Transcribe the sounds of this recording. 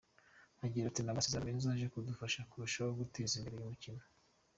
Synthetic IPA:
aɟiːɾatinamasezaminzaʒekudufaʃakuɾuʃawoɡutezimbeɾejumucino

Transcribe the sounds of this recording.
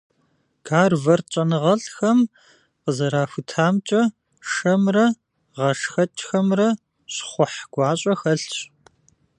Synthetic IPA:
ɡ̥aːrvɐrt͡ʃʼɐnɨʁɐɬxɐm | qəzɐɾaːfʷʊtʰaːmt͡ʃʼɐ | ʂɐmrɐ | ʁɐʂxɐt͡ʃʼxɐmrɐ | ɕχʷʊħɡ̥ʷɑːɕʼɐxɐɬɕ

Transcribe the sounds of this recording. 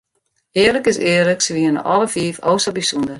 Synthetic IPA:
ɪərləkɪsɪːərləksəʋiənə̰ʔɔləfiːfowsəbisundər

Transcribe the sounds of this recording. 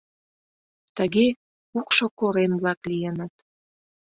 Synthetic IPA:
t̪əɣe | ukʃokoɾemblɑklijenət̪̚

